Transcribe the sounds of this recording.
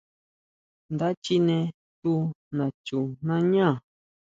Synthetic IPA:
nd̪a˦t͡ʃi˦nẽ˧ | t̪u˦nã˨t͡ʃu˨nã˦ɲã˦˨

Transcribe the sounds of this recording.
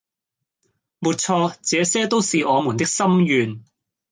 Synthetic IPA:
muː˨˧t̚t͡sʰɔː˧t͡sɛː˨˧sɛː˥t̪o˥wsiː˨ʔɔː˨˧mu˨˩nt̪ɪ˥k̚sɐ˥mjyː˨n

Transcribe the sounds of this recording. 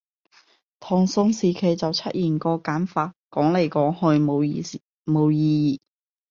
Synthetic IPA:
t̪ʰɔː˨˩ŋsʊ˧ŋsiː˨kʰe˨˩jt͡sɐ˨wt͡sʰɐ˥t̚jiː˨˩nkɔː˧kaː˨˥nfaː˧t̚kɔː˨˥ŋle˨˩jkɔː˨˥ŋhɵ˧ɥo˨˧w | mo˨˧wjiː˧jiː˨˩

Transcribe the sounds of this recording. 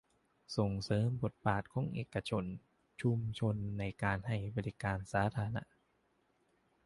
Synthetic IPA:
so˨˩ŋsɤː˨˦mbo˨˩t̪̚baː˨˩t̪̚kʰɔ˧˥˨ŋʔeː˨˩ka˧t͡ɕʰo˧n | t͡ɕʰu˧mt͡ɕʰo˧nːa˧jkaː˧nha˥˩jbɔː˧li˧kaː˧nsaː˩˦˥t̪ʰaː˧na̰˦˥ʔ

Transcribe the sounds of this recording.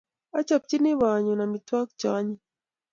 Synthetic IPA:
a˦t͡ʃa˨p̚t͡ʃi˦ni˦βa˨ɲɔ˨na˨mi˨twa˦k̚t͡ʃa˨˦ɲi˦

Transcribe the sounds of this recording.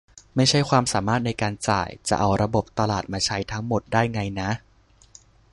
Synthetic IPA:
ma˥˩jt͡ɕʰa˥˩jkʰwaː˧msaː˩˦maː˥˩t̪̚na˧jkaː˧nt͡ɕa̰ː˨˩jt͡ɕa̰˨˩ʔa˧wɾa˧bo˨˩p̚t̪a˧laː˨˩t̪̚maː˧t͡ɕʰa˦˥jt̪ʰa˦˥ŋmo˨˩t̪̚daː˥˩jŋa˧jna˦˥ʔ

